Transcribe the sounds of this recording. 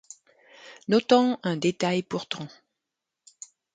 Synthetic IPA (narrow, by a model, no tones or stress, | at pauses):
nɔt̪ɑ̃ɛ̃d̪et̪ajpuʁt̪ɑ̃